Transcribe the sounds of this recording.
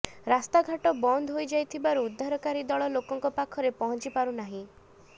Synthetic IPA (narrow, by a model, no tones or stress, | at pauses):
ɾast̪aɡʱaʈɔbɔnd̪ʱɦojd͡ʒajt̪ʰibaɾuːd̪ʱːaɾɔkaɾid̪ɔɭɔlokɔŋkɔpakʰɔɾepɔɦɔnt͡ʃipaɾunaɦĩ